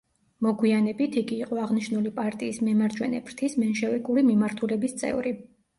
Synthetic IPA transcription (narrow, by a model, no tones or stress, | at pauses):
mɔɡwianɛbit̪ʰiɡiːqʼɔaʁniʃnulipʼaɾt̪ʼiːsmɛmaɾd͡ʒwɛ̰nɛ̰bɾt̪ʰismɛnʃɛvɛkʼuɾimimaɾt̪ʰulɛbist̪sʼɛ̰vɾi